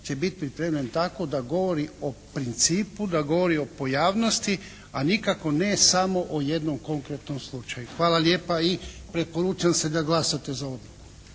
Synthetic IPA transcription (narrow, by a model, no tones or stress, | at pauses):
t͡ʃe̞bit̪pɾipɾeːmʎʲe̞nt̪ako̞d̪aɡo̞ʋoɾio̞pɾint̪siːpud̪aɡo̞ʋo̞ɾio̞po̞jaːʋno̞st̪i | anikako̞ne̞samo̞ʔoje̞d̪nomko̞ŋkɾet̪nomslˠut͡ʃajuxʋaːlˠalje̞ːpaipɾe̞po̞ɾuːt͡ʃamse̞d̪aɡlˠasat̪e̞zao̞d̪luku